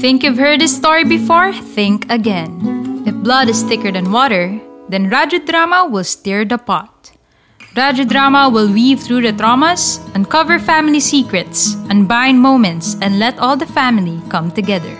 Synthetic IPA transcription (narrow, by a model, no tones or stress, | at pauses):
θɪ̃ŋkjuvhɜ˞d̪̚dɪst̪ɔɹibɪfɔɹθɪ̃ŋkɐɡɛ̃nɪfblʌdɪsθɪkəɹdɛ̃nwɔɾəɹðɛ̃nɹad͡ʒəd̪ɹamɐwɪlst̪ɪɹd̪əpa̰t̪̚ | ɹad͡ʒəd̪ɹamɐwɪlˠwivθɹuːd̪ɐt̪ɹɔmɐsʔɛ̃nkʌvəɹfæmɪlisikɹɛt̪sʔɛ̃nbãj̃nmõʊ̃mɛ̃nt̪sɛ̃ndlɛt̪ɔlˠd̪ɐfæmɪlikʌ̃mt̪ʊɡɛðə̰ɹ